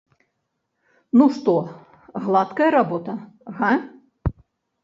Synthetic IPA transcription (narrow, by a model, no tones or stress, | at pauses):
nuʂt̪ɔ | ɣlˠat̪kɐjɐɾabɔt̪ɐ | ɣa